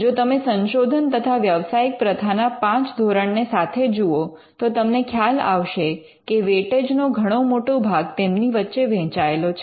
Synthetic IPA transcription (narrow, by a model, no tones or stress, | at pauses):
d͡ʒot̪əmesənʃod̪ʱənt̪ət̪ʰaʋjəʋsaik̚pɾəd̪ʰʱanapãt͡ʃd̪ʱoɾəɳnesat̪ʰed͡ʒuo | t̪ot̪əmnekʰjala̰ʋʃe | keʋeʈed͡ʒnoɡʱəɽ̃omoʈobʱaɡt̪emniʋətːʃeʋɛ̃t͡ʃaelot͡ʃʰ